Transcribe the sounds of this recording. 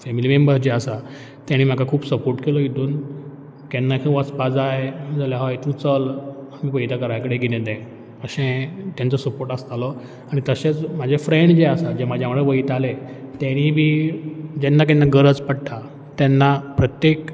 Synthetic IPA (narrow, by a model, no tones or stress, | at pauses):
fɛmilimembəɾd͡ʑeəsa | t̪jãɽ̃iːm̤akakʰuːbsəpoɾʈkelɔjit̪uːn | kɛnːakʰĩʋəspad͡zajd͡zaljaɦajt̪ũt͡səlam̤ipəjt̪akəɾajkəɽeɡilɛ̃d̪ɛ̃ | pəɕẽt̪jãnt͡sɔsəpoɾʈast̪alɔ | aɽ̃it̪əɕet͡smad͡ʑʱefɾẽɳɖd͡zeasad͡ʑemad͡ʑʱjãʋəɽeʋəit̪alet̪jaɽ̃ibi | d͡ʑɛnːak̬ɛnːaɡəɾət͡spəɽʈ̪ʰa | t̪ɛnːapɾət̪jek